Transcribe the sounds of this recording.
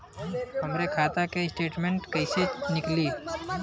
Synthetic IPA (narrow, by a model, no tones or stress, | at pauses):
hɐmɾekʰaːt̪akesʈeːʈmẽɳʈkɐɪsenɪkli